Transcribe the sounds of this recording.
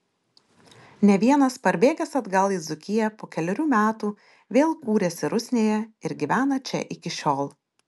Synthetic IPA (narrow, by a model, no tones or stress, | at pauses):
nʲɛʋʲiɛnɐspɐɾʲbʲeːɡʲɛsɐd̪ɡɐlˠiːzʊkʲɪjɛpoːkʲɛlʲɛɾʲuːmʲæːt̪uː | ʋʲeːlˠkuːɾʲɛsʲɪɾʊsʲnʲeːjɛɪɾɡʲɪʋʲæːnɐt͡ʃʲɛ̰ʔɪkʲɪʃʲoːlˠ